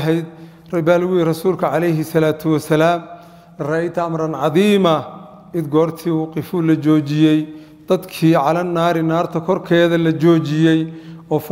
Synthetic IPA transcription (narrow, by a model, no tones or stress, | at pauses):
ɦɛjd̪̚ | rɐbaːlwʊirɐsuːlkʰɐʕɑlɛjɦɪsɐlaːt̪ʰʊwɐsɐlaːm | rɑɪt̪ʰɐɐmrɐnʕɑðiːmɐ | ʔɪd̪ɡɔːrt̪ʰiːwqɪfuːlɐt͡ʃɔːt͡ʃɪjɛj | d̪̥ɐd̪kʰiːʕɑlɐnːaːɾɪnaːrt̪ʰɐkʰɔrkʰɛːðɐlɐt͡ʃɔːt͡ʃɪjɛjɔːf